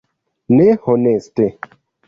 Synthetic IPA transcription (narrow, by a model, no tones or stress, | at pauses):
nehɔneste